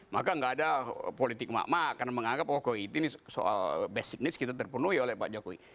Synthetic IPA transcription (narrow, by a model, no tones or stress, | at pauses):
makaŋɡaːdapolit̪ɪk̚ma̰ʔmakanaməŋaŋɡap̚kɔkoiit̪iniso̰ʔa̰lbɛsik̚nɪskit̪at̪ərpunuiolɛhpa̰ʔd͡ʒakoḭ